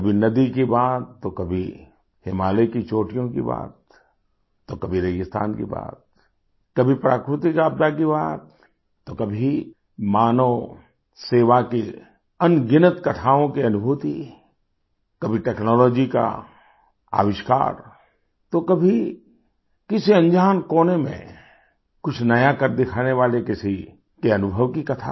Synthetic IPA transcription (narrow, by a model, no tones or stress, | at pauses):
kɐbʱinɐd̪ikibaːt̪ːokɐbʱi | hɪmaːlekit͡ʃoːʈijõkḭba̰ːt̪ː | okɐbʱiɾeːd͡ʒɪst̪ʰa̰ːnkḭba̰ːt̪̚ | kɐbʱipɾaːkɾʊt̪ikaːb̚d̪akibaːt̪ː | okɐbʱi | maːno | seːʋaki | ɐnɡɪnət̪kɐt̪ʰaːõkiɐnʊbʱuːt̪i | kɐbʱiʈɛːknɔːlɔːd͡ʒika̰ | a̰ːʋɪʃka̰ːɾ | t̪okɐbʱi | kɪsiɐ̃nd͡ʒaːnkoːnemḛ̃ | kʊt͡ʃʰnɐjakɐɾd̪ɪkʰaːneʋaːlekɪsi | keɐnʊbʱəʋkikɐt̪ʰa̰